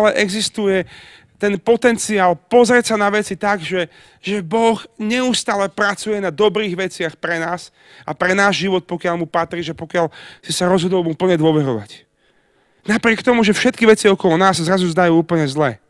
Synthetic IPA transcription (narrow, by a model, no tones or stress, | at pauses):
alɛʔɛɡzist̪ujɛ | t̪ɛnpɔt̪ɛnt͡siaːlpɔzɾɛtsanaʋɛt͡sit̪aɡʒɛ | ʒɛbɔxɲɛust̪aːlɛpɾat͡sujɛnad̪ɔbɾiːɣʋɛt͡sɪaxpɾɛnaːs | apɾɛnaːʒʒiʋɔt̪̚pɔkɪalmupat̪ɾiːʒɛpɔkɪaʎsisaɾɔzɦɔd̪ɔlupl̩ɲɛd̪ʊɔʋɛɾɔʋa̰c | napɾɪɛkt̪ɔmuʒɛfʃɛt̪̚kiʋɛt͡siɔkɔlɔnaːsːzɾazuzd̪ajuːuːpl̩ɲɛzlɛː